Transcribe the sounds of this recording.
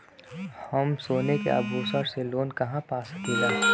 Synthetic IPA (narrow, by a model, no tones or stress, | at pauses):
hɐmsoːnekḛa̰buːsəɾseloːnkɐɦãpaːsə̥kilaː